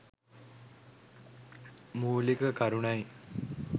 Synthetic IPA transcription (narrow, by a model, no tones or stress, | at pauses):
muːlikəkaɾunaj